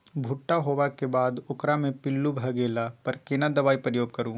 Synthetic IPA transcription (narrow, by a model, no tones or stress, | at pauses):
bʱʊʈːaɦoːʋakebaːd̪ʊkɾamẽpɪlːubʱɐɡeːlapɐɾkenad̪ɐʋaːipɾəjoːɡ̚kɐɾũː